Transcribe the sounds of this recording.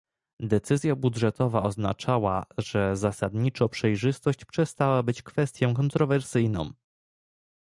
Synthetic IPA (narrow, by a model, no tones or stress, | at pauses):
d̪ɛt̪sɘzʲjabudʐɛt̪ɔvaɔzna̰t͡ʂawa̰ʐɛzasad̪ɲit͡ʂɔ̃pʂɛjʐɘst̪ɔɕt͡ɕpʂɛst̪awabɘt͡ɕkfɛst̪ʲjɔ̃w̃kɔnt̪ɾɔvɛɾsɘjnɔ̰̃m̃